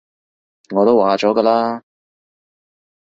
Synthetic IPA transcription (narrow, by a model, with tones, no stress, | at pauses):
ŋɔː˨˧t̪o˥waː˨˧t͡ʃɔː˨˥kɐː˧laː˥